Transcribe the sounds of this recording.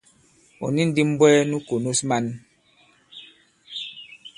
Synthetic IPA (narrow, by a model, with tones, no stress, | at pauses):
ɔ̰˨ni˦n˦di˦m˦bwɛ˦nu˦ko˨nu˦sma˦n